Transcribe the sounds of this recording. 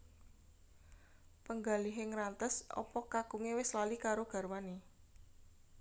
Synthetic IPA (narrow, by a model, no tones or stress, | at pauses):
pəŋɡaliɦeŋɾant̪əsɔ̰pɔkakuŋewɪslalikaɾoɡ̥a̤rmane